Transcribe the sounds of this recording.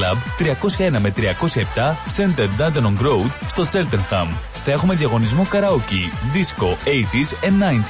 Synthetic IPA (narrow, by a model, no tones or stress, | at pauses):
lɐbt̪ɾiɐko̞sçɐe̞nɐme̞t̪ɾiɐko̞sçɐep̚t̪ɐse̞nt̪eɾd̪ɐnt̪ɐnoŋɡɾo̞wd̪st̪o̞t͡se̞lt̪enxɐm | θɐe̞xume̞ðiɐɣo̞nizmukɐɾɐociðisko̞ejt̪isenːɐjnt̪